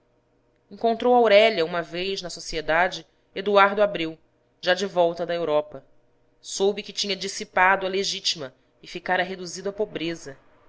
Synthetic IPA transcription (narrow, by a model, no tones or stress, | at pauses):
ẽŋkõnt̪ɾowawɾɛʎɐũmɐvejznɐsosied̪ad͡ʒɪ | ed̪uaɾd̪ʊabɾiw | ʒad͡ʒɪvɔwt̪ɐd̪ɐewɾɔpɐ | sobɪkɪt͡ʃĩɲɐd͡ʒisipad̪ʊɐleʒit͡ʃimɐ | ɪfikaɾɐɦed̪uzid̪ʊɐpobɾezɐ